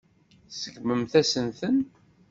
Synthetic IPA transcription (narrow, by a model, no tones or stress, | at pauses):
səɡməmθæsənθən